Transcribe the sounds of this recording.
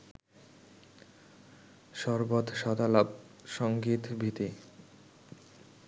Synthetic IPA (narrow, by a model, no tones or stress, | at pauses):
ʃɔɾbod̪ʃɔd̪alab̚ | ʃɔŋɡit̪bʱit̪i